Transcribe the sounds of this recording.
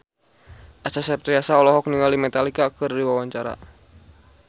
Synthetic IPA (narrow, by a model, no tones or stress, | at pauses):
ʔasasɛp̚t̪ɾiasaɔlɔɦɔk̚niŋalimɛt̪alikakɨriwawaɲt͡ʃaɾa̰